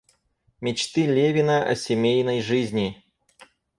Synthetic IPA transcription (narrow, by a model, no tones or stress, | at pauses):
mʲɪt͡ɕt̪ɨlʲevʲɪnəʔɐ̰sʲɪmʲejnəjʐɨzʲnʲɪ